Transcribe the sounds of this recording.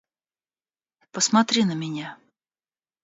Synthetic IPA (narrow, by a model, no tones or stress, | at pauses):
pɔsmat̪ɾʲinɐmʲɛnʲa